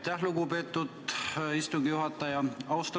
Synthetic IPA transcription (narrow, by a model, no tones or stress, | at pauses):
t̪æhluɡupe̞ːt̪ːud̪ist̪uŋɡijuɦɑt̪ːˑɑjɑɑwst̪